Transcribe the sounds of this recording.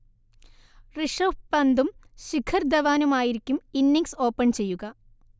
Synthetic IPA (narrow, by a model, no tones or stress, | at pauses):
riʂopːɐnd̪umɕikʰɐrd̪ɐʋaːnumaːjiɾikʲːuminːiŋkso̞ːpːɐɳt͡ɕe̞jːuɣɐ